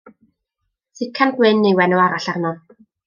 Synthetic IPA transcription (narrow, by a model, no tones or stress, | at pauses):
sɪkʰanɡwɪnːejwɛnuwaɾaɬarnɔn